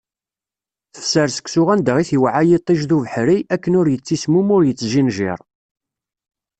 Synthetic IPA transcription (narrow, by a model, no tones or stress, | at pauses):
θə̥fsəɾsə̥ksʊʁænd̪əʁiθiwʕajit̪ˤːiʒðuvəħɾiækːənʊɾjət͡sːismumʊɾjət͡sːʒinʒɪ̰ɾˤ